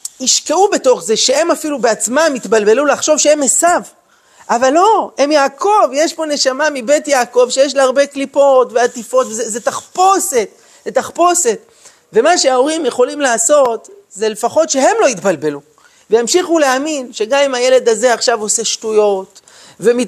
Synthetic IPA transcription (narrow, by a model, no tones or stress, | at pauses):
iʃke̞ube̞to̞χze̞ʃe̞e̞mafilubeat͡smamit̪balbe̞lulaχʃo̞vʃeemesav | ʔavalːo̞he̞mjaːkʰo̞vjeʃpo̞ne̞ʃamamibe̞t̪jaːko̞vʃejeʃ̬leaʁbe̞klipo̞tveat̪ifo̞tvezezet̪aχpo̞se̞t̪ | zet̪aχpo̞se̞t̪ | ve̞maʃeao̞ʁimje̞χo̞limlaːso̞tze̞le̞faχo̞tʃe̞ɦe̞mlo̞it̪balbe̞lu | vejamʃiχuleaminʃe̞ɡamimaje̞le̞d̪aze̞aχʃavo̞se̞ʃtujo̞t | vemi